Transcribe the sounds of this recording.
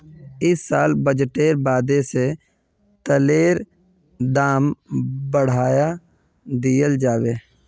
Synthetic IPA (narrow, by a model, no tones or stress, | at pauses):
ɪsːaːlbəd͡ʒʈeːɾbaːd̪ese | t̪əleːɾ | d̪aːmbəɽ̤aːja | d̪ɪjəld͡ʒaːʋeː